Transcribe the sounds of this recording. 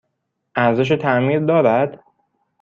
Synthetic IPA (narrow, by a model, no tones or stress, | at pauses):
ʔæɾzeʃ̬et̪ʰæmiːɾd̪ɒːɾæd̪̥